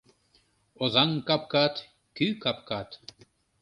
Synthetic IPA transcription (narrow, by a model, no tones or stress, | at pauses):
oðɑŋkɑp̚kɑt̪ | kykɑp̚kɑt̪